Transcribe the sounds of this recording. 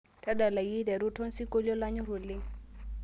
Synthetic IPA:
tʰa˦da˨la˨ji˦dɛ˨ɾu˦tʰɔ˦nsi˦ko˦ljɔ˦la˦ɲɔ˦ɾo˨lɪ˦ŋ

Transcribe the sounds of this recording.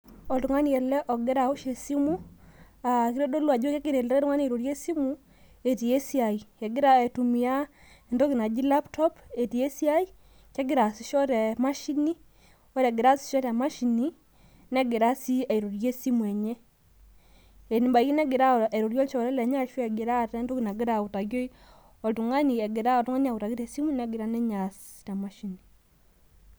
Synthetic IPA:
ɔ˨ltu˨ŋwa˦n˦jɛ˨lɛ˦ʔɔ˨ɡɪ˦ɾa˨o˦ʃe˨si˦mu˦ | a˨kiɾo˦do˦lwa˨d͡ʒo˦ke˦kɪ˨ɾe˨lɾɛ˦ɾu˦ŋa˦ne˨ɾo˨ɾje˦si˦mu˦ | e˨ti˨e˦si˦a˨i˨e˨ɡɪ˦ɾa˦e˨tu˨mi˨ja˦˨ | ndo˦ki˨na˨d͡ʒi˦la˦ptʰɔ˦pe˨ti˨e˦si˦a˦i˦ | kɛ˦ɡɪ˨ɾa˨si˨ʃɔ˦ɾɛ˨ma˦ʃi˦ni˦ | wɔ˦ɾɛ˨ɡɪ˨ɾa˦si̥˨ʃɔ˦ta˨ma˦ʃi˨ni˦ | nɛ˦ɡɪ˨ɾa˦si˦a˨i˨ɾo˨ɾje˦si˦mwɛ˨ɲe˦ | ɛ˨ni˨mba˨i˦ki˦nɛ˦ɡɪ˨ɾa˦˨a˨ɾo˨ɾjɔ˦lt͡ʃɔ˨ɾɛ˦lɛ˨ɲa˦ʃwɛ˦ɛ˨ɡɪ˨ɾa˦˨tɛ˦ndo˦ki˨na˨ɡɪ˦ɾa˨u˨ta˨ɡjo˦i˦ | ɔ˨ltu˨ŋa˦ni˨ɛ˨ɡɪ˨ɾa˦ɔ˨tu˦ŋa˦ni˦a˨ʊ˨ta˨ɡi˦ɾe˨si˦mu˦nɛ˦ɡɪ˨ɾa˦nɛ˦ɲa˨sta˨ma˦ʃi˨ni˨

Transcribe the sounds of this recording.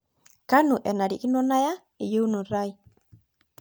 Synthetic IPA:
ka˦nu˨ʔɛ˨na˨ɾi˨ki˦no˦naja˦ | e˨je˦nu˨ɾaj

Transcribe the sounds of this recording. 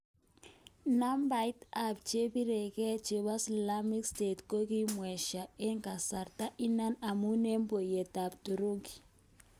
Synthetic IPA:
na˦mba˦jta˦˨p̚t͡ʃe˦bi˦ɾe˨kɛ˦t͡ʃe˨βa˦sla˦mi˦kste˨tko˦ki˦mwɛ˨ʃa˨e˦ŋɡa˨sa˨ɾta˦ʔi˦na˦na˨mu˦ne˦mbo˨jɛ˨ta˨b̚tu˨ɾo˦ɡi̥˨

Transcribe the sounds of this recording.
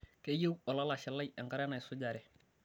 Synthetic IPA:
ke˦je˦wɔ˨la˦la˨ʃɪ˨lːa˦jɛ˨ŋka˦ɾɛ˦na˨jsʊ˦ɟa˨ɾɛ˨

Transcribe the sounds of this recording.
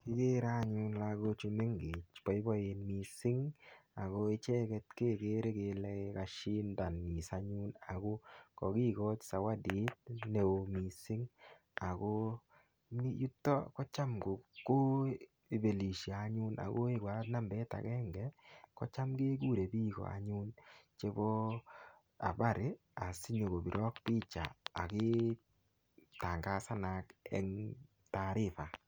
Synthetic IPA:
ki˦ke˦ɾa˦ɲu˦nla˦ko˧t͡ʃu˧me˦ŋɡe˨t͡ʃpɔ˨i˦bɔ˦e˨nmi˨sɪ˦ŋa˨ko˦ɪ˦t͡ʃɛ˦kɛ˧tkeː˦ke˦ɾe˦ke˧lɛ˦ka˦ʃi˦nda˨ni˨sa˦ɲu˦na̰˨ɡo˦kɔ˨ki˦kɔ˦t͡ʃsa˨wa˦di˦t̚ne˨o˨mi˨sɪ˦ŋ | a˨ko˦ | mi˦ju˦tːɔ̰˦kɔ˦t͡ʃa˦mko˨kːʊ˦ | i˨be˨li˨ʃja˨a˦ɲu˦na̰˨ɡo˦ɪ˦ɡwa˦tna˦mbɛ˦ta̰˨kɛ˦ŋɡɛ˨kɔ̰˦t͡ʃa˦mɡe˦ɡu˦ɾe˨biː˦ɡɔ̰˨a̰˨ɲu˦nt͡ʃe˦bɔ˦ | a̰˨ba˦ɾɪ˦ | a˨si˦ɲo˨ɡo˨bi˨ɾʔɔ˦k̚pi˦t͡ʃa̰ː˨kɪ˦ | ta˨ŋɡa˦sa˦na˨kɛ̰˦ŋ | ta˨ɾɪ˦˨fa˨

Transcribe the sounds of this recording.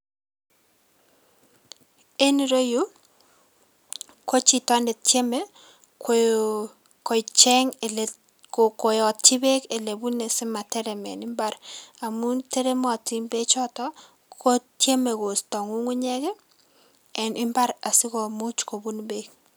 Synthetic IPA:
e˦ni˨ɾo˦ju˦ | ko˦t͡ʃi˨tɔ˦nde˨tje˦me˦ | k | ko˨t͡ʃɛ˦ŋ | koko˨jɔ˨ti˦be˦ke˨le˨bu˦ne˨si˦ma˨tɛ˦ɾɛ˨mɛ̰˨nɪ˦mba˦ɾa˨mu˦te˦ɾe˦mɔ˨ti˦mbe˦t͡ʃɔ˦tɔ˦ | ko˦tje˦me˨ko˨stɔ˨ŋu˦ŋu˦ɲɛ˦kɛ˦ | ɛ˨nʔɪ˦mba˦ɾa˨si˦kɔ˨mu˦t͡ʃko˨bu˦nbe˦k̚

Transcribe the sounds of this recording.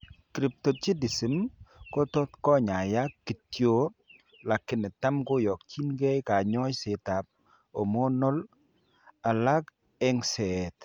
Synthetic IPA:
kɾi˨p̚to˨t͡ʃi˦di˨si˨mko˦tɔ˦tkɔ˦ɲa˨ja˦ki˨tjo˦ | la˨kːɪ˨nɪ˨ta˦mko˦jɔ˨k̚t͡ʃi˦nɡɛ˦jka˨ɲɔ˦jse˨ta˨p̚ | o˨mɔ˦nɔ˦l | a˨la˦k | ɛ˦ŋsɛ˨t

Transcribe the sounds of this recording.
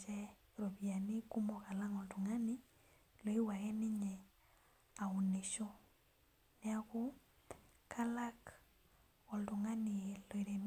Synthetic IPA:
d͡ʒɛ˦ | ɾo˨βi˨a˨ni˦ku˦mɔ˦˨ka˨la˦ŋɔ˨ltu˨ŋa˦ni˦ | lɔ˨i˦wa˨ɣɛ˦ni˦ɲɛ˨ | a˨u˨ne˨ʃɔ˦ | nɛ˦a˦ku˦ | kʰa˦la˦k | ɔ˨ltu˨ŋa˦ni˨lɔ˨i˨ɾe˨m

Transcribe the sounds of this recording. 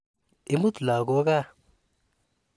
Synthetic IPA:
ɪ˦mu˦t̪la˨ɡo˦ka˦˨

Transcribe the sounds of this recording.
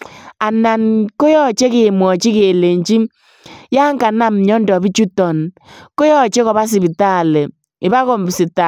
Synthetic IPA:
a˨na˨nko˦jɔ˦t͡ʃe˦kɪ˨mwɔ˨t͡ʃi˦ke˨le˨ɲt͡ʃi˦ | ja˦ŋka˨na˦mɲɔ˦ndɔ˨bi˦t͡ʃu˦tɔ˨n | ko˦jɔ˦t͡ʃe˦kɔ˨βa˦s̬i˨bi˨ta˦˨lɛ˨ | ɪ˨ba˦kɔ˨˦m˨bsi˨ta˨

